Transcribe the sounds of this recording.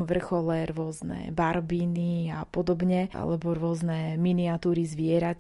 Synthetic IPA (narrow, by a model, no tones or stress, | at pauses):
ʋr̩xɔlɛɾʊɔznɛ̰baɾbiːniapɔd̪ɔbɲɛʔa̰lɛbɔɾʊɔznɛminiat̪uːɾizʋɪɛɾac